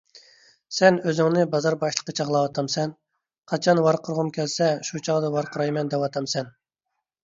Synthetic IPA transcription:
sɛnøzɪŋnɪbɑzɑɾbɑʃlˠə̥qːɑt͡ʃʰɑʁlˠɑwɑt̪ʰɑmsɛn | qʰɑt͡ʃʰɑnwɑɾqʰəɾʁʊmkʲʰɛlsɛʃut͡ʃʰɑʁd̪ɑwɑɾqəɾɑjmɛnd̪ɛpwɑt̪ʰɑmsɛn

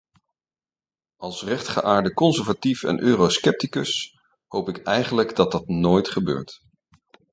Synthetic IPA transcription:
ɑlˠsrɛχtχə̰ʔaːɹdəkɔnsəɹvatifɛ̰nʔøːroskɛp̚tikɵs | howpɪkɛjχənləɡdɑt̚dɑtnoːjtχəbø̰ːɹt

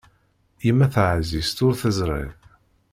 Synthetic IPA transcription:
imːæθʕzist̪ʊɾθəzɾˤḭv

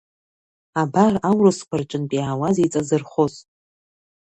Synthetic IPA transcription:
abarawrɨskʷʰart͡ʃʼɪnpʼiaːwazet͡sʼazɨrχoz

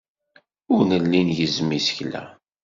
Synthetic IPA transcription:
ʊɾnəlːinjəzmisə̥çlæ̰

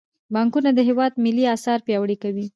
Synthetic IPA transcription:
bɑŋkunad̪əɦɪwɑd̪mɪliɑsɑɾpjɑwɽikawi

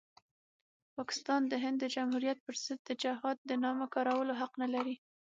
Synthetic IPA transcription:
pɑkɪ̥st̪ɑnd̪əɦɪnd̪ːəd͡ʒamhuɾijat̪̚pəɾz̥ɪd̪̚d̪əd͡ʒaɦɑd̪̚d̪ənɑmakɑɾawəloɦaqnalaɾi

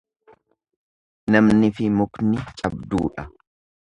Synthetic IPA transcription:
nɐmnɪfɪmʊknɪt͡ʃʼɐbd̪ṵːᶑɐ

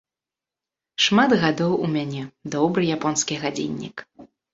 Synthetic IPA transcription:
ʂmad̪ɣad̪ɔwumʲanʲɛd̪ɔbɾɨjapɔnskʲiɣad͡zʲḭnʲːḭk

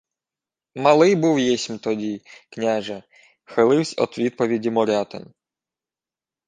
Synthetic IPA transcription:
mɐlˠɪjbuwjɛsʲmt̪ɔdʲiknʲaʒɛ | xɪlˠɪwsʲɔ̰t̪ʋʲid̪̚pɔʋʲidʲimɔɾʲɑt̪ɪ̰n

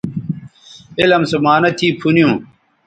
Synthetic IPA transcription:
elɐmsɐmaːnɐt̪ʰiːpʰunijũː

